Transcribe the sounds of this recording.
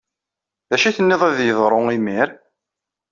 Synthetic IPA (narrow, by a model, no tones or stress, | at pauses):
ðæʃiθənːɪðˤæðjəðˤɾˤʊimiɾ